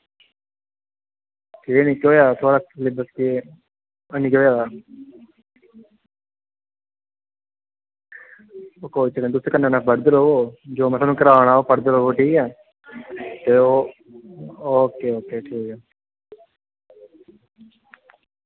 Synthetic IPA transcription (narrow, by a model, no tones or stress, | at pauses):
ʈʰiːniːkoːjaːt̪ʰoːɽaːklɪbəske | əniːkɦoːjaːd̪aː | oːkoːit͡ʃəkːt̪ʊseːkənːẽːnãːbəɽd̪əɾoːʋoːd͡ʒoːmɛ̃ːsaːnũːkəɾaːʋɽ̃aːoːpəɽd̪əɾoːʋoːʈʰiːkɛː | t̪eːoː | oːkːeːoːkːeːʈʰiːkaː